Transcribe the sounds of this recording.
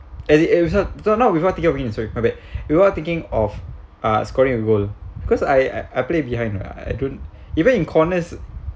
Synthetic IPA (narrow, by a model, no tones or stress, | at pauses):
ɛsiɛwisasonaʊwifɔat̪ĩŋkĩŋɔfĩĩŋɛ̃sɔkmabɛt̚wifɔt̪ĩŋkɪ̃ŋɔf | askɔɹĩŋiɡolbikɔsaja̰ʔajplebihãj̃nɔ̰a̰a̰jdõnt | ivə̃nĩnkʰɔnəs